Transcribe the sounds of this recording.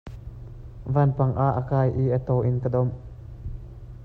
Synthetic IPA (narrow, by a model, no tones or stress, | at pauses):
vaːnpɐŋʔaʔːəkaːjʔiʔət̪ɔwʔɪnkədɔm